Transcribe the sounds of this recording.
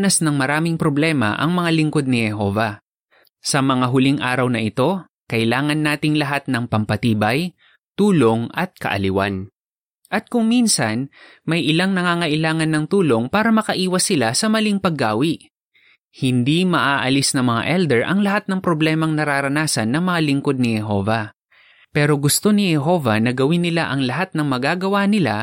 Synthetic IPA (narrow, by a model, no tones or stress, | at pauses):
nɐsnɐŋmɐɾaːmɪŋpɾoblɛmɐ̰ʔɐ̰ŋmɐŋalɪŋko̞d̪̚nɪhɛɦoːvɐ | sɐmɐŋaɦʊliŋʔaːɾɐwnɐʔɪt̪o̞ | kɐʔɪlaːŋɐnːaːt̪ɪŋlɐɦat̪̚nɐŋpɐmpɐt̪iːbɐj | t̪uːlo̞ŋɐt̪̚kɐ̰ʔɐ̰lɪwa̰n | ʔɐt̪̚kʊŋminsɐn | mɐjʔɪlaŋnɐŋaːŋɐʔɪlaːŋɐnːɐŋt̪uːlo̞ŋpaːɾɐmɐkɐʔiːwɐsɪlasɐmɐliŋpɐɡːaːwɪʔ | hɪnd̪imɐʔaːʔɐlisnɐŋmɐŋa̰ʔɛld̪ɛɹʔɐŋlɐhat̪̚nɐŋpɾoblɛːmɐŋnɐɾaːɾɐnaːsɐnːɐŋmɐŋalɪŋko̞d̪̚nɪhɛɦo̞̰vɐ | pɛːɾo̞ɡʊst̪o̞nɪhɛɦo̞vɐnɐɡɐwɪnːɪlaʔɐŋlɐɦat̪̚nɐŋmɐɡaːɡɐwanɪla̰